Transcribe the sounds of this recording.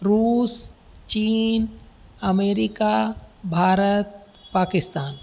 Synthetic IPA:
ɾuːs | t͡ʃiːn | ɐmeːɾɪkabʱaːɾət̪̚ | paːkɪst̪aːn

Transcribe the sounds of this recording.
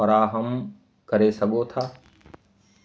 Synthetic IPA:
fɐɾaːɦəm | kɐɾesɐɠʱot̪ʰaː

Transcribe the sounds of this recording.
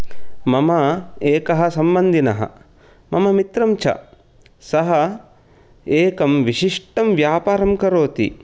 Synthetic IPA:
mɐmɐeːkɐɦɐ̆sɐmbɐnd̪ʱinɐɦɐ̰ | mɐmɐmit̪ɾɐmt͡ʃʰɐ̰ | sɐɦɐ | eːkɐmʋiʃiʂʈɐmʋjaːpaːɾɐmkɐɾoːt̪ḭ

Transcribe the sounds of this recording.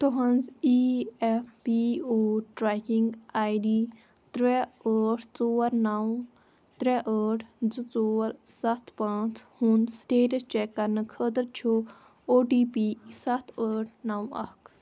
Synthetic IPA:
t̪oɦɐnd͡ziɛfpioːʈɾakiŋɡaːjɖiː | t̪ɾɛəːʈʰt͡soːɾnɐw | t̪ɾɛʔəːʈʰd͡zɨt͡soːɾsɐt̪ʰpãːt͡sʰhunsʈeːʈɐt͡ʃɛkːɐɾnɨkʰəd̪əɾt͡ʃʰu | oːʈiːpisɐt̪ʰəːʈʰnɐwɐ̰kʰ

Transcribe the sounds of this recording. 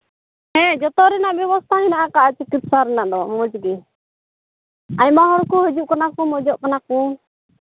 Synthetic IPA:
hɛ̃d͡ʒɔt̪ɔɾɛnaʔbjɛβɔst̪ʰaɦinaʔakaʔat͡ʃikit̪̚saɾɛnaʔd̪ɔmɔd͡ʒɡɛ | aɲmaɦɔɾkuɦəd͡ʒuʔkanakɔmɔd͡ʒɔʔkanakɔ̃

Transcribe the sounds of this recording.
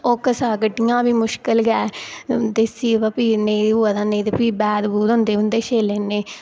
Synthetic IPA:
okəsaːkəʈːijãːbiːmʊʃkəlɡɛːd̪esiːpəpiːneːuːəd̪ãːnẽːd̪epiːbɛːd̪buːd̪ɦʊ̃nd̪eːɦʊ̃nd̪eːʃeːleːneː

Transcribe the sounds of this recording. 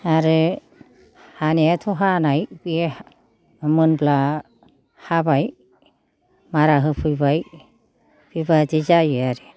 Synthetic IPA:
aɾɯ | haneatʰɔɦanajbie | mɯnbla | habaj | maɾaɦɯpʰɯjbaj | b̥ibadizajɯaɾe

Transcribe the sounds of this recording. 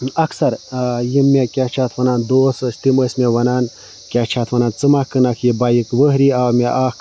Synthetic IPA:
ɐksɐɾjimːekʲaːt͡ʃʰaːt̪ʰʋɐnaːnd̪oːsəsʲt̪iməːsʲmʲeʋɐnaːn | kʲaːt͡ʃʰaːt̪ʰʋɐnaːnt͡sɨmakɨnakʰjibaːjikʋəɦɾiaːwmʲeʔaːk

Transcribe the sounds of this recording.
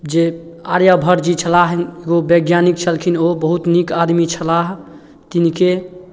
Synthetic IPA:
d͡ʒe | a̰ɾjabʱəɾd͡ʒit͡ʃʰəlaɦneɡobeɡjanik̚t͡ʃʰəlkʰinobəɦut̪nikad̪mit͡ʃʰəlaɦ | t̪inike

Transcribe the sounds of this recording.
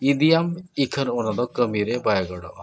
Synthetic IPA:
id̪ijamikʰənɔnad̪ɔkəmiɾebajɡɔɽɔ̰ʔ

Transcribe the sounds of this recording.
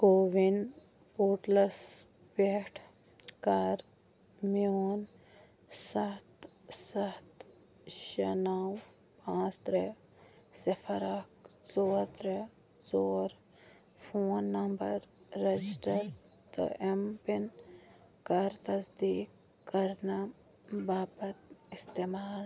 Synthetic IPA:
ɡoːʋin | poːʈlɐs | peʈʰ | kaɾ | moːn | sɐht̪sɐht̪ | ʃɐnaːw | pãːt͡st̪ɾeː | sɐfʰɐɾɐksoːɾt̪ɾe | t͡soːɾ | pʰoːnːɐmbɐɾːed͡ʒɪsʈɐɾ | t̪ɐ̰ʔempin | kaɾt̪ɐsd̪iːk | kːɐɾna | baːbɐt̪ɪst̪eːmaːl

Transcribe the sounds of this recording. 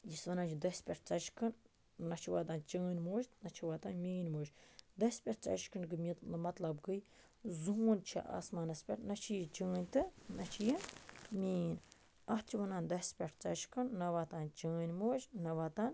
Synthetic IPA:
jisʋɐnaːnt͡ʃʰid̪ɐsʲpʲeʈ̚ʰt͡sɐt͡ʃkʰɨn | nɐt͡ʃʰiʋaːt̪aːnt͡ʃəːnʲmoːʃnɐt͡ʃʰiʋaːt̪aːnmiːnʲmoːd͡ʒd̪ɐsʲpʲeʈʰt͡sɐ̰t͡ʃkɨnɡɨmit̪lmɐt̪lɐbɡɨj | zuuːnʲt͡ʃʰḭʔa̰ːsmaːnɐspʲeʈnɐt͡ʃʰijt͡ʃəːnʲt̪ɨnɐt͡ʃʰijimʲiːnʲ | ɐht͡ʃʰiʋɐnaːnd̪ɐsʲpʲeʈʰt͡sɐt͡ʃkɨnnɐʋat̪aːnt͡ʃəːnʲmoːd͡ʒnɐʋaːt̪aːn

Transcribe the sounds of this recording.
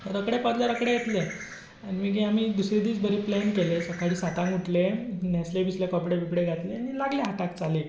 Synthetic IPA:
əɾəkɽepəd̪ljaɾəkɽẽjet̪le | animiɡeamiːd̪usɾid̪iːt͡sbʱəɾeplɛnkelesəkaɭiːsat̪ãŋɡuʈʰlenjaslebʱislekɔpɽeʋibɽeɡʱat̪leanilaɡleɦaʈak̚t͡sale

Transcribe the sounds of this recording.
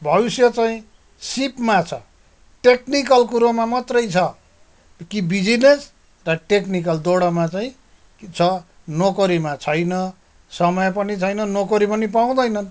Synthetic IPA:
bʱʌbisjʌt͡saĩ | sipmat͡sʰʌ̰ | ʈeknikʌlkuɾomamʌt̪rʌjt͡sʰʌ | kibid͡zines | rʌʈeknikʌld̪oɽʌmat͡saĩ | t͡sʰʌ | nokʌɾimat͡sʰʌjnʌ | sʌmʌjpʌnit͡sʰʌjnʌnokʌɾipʌnipaw̃d̪ʌjnʌn

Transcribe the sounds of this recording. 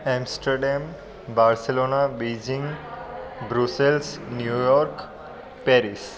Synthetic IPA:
ɛ̃msʈəɾɖɛm | baɾseloːnabed͡ʒĩŋɡ | bɾuselsnjujɔɾk | pɛɾis

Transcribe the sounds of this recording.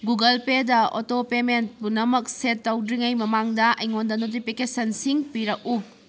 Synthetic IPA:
ɡuɡɐlpedɐo̰topement̚bunɐmɐk̚setːɐwdɾiŋɐjmɐmaŋdɐʔɐ̰jŋondɐnot̬ipʰikesɐnsiŋpiɾɐk̚u

